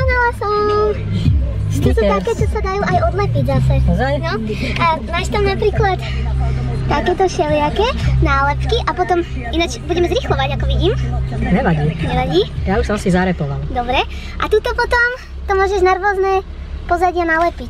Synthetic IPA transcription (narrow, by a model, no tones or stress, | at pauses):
pɔnalasɔm | t͡ʃusuːt̪akɛːt͡ʃɔsad̪ajuːʔajɔd̪lɛpiɟzasɛnɔamaːʃt̪amnapɾiːklat̪ | t̪akɛːt̪ɔʃɛlɪakɛnaːlɛpkiʔapɔt̪ɔm | inat͡ʃbuɟɛmɛzɾixlɔʋaɟakɔʋiɟiːmɲɛʋaɟiːɲɛʋaɟiːjauʃsɔmasizaɾɛpɔʋa̰lˠd̪ɔbɾɛ | ʔat̪it̪ɔpɔt̪ɔm | t̪ɔmʊɔːʒɛʒnaɾʋɔznɛ | pɔzaɟɪanalɛpic